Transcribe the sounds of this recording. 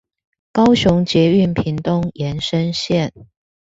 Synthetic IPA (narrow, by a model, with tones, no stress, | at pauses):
kɑ˥ʊɕʊ˧˥ŋt͡ɕjɛ˧˥y˥˩npʰi˨˥nt̪ʊ˥ŋjɛ˧˥nʂə˥nɕjɛ˥˨n